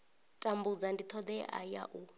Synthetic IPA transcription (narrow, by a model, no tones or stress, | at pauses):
tʼambud͡zandit̪ʰɔd̪ɛʔa̰ja̰ʔu